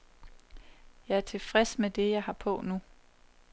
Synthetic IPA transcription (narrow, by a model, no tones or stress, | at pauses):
jɑ̈ɪæɐt͡sʰe̝lfʁɛsmed̥e̝jɑ̈ɪhɑ̈pʰɔ̽nu